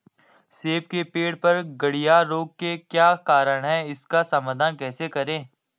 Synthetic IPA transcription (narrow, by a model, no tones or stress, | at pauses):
seːp̚kepeːɽpɐɾɡɐɽijaɾoːɡ̚kekjaːkaːɾəɽ̃ɦɛɪskasɐmad̪ʱankɛːsekɐɾẽː